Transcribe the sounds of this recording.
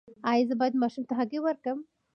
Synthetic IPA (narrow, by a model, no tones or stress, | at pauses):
ɑjazəbɑjad̪mɑʃumt̪aɦaɡewəɾkəm